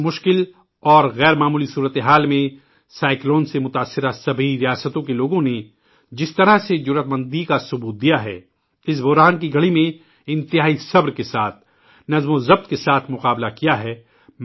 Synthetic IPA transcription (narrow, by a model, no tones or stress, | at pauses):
mʊʃkɪl | ɔːɾɣɛːɾmaːmuːlisuːɾət̪eɦaːlmẽ | saːɪkloːnsemʊt̪aːsːɪɾasɐbʱiɾijaːsət̪õkeloːɡõne | d͡ʒɪst̪ɐɾaɦsed͡ʒʊɾət̪mɐ̃nd̪ikasʊbuːt̪̚d̪ijaɦɛ̰ː | ɪs̬bɔɦɾaːnk̬iɡʱɐɽimẽ | ɪ̃nt̪ɪɦaːisɐbɾkesaːt̪̚ʰ | nɐzmozɐb̚t̪kesaːt̪ʰmʊqaːblakijaɦɛː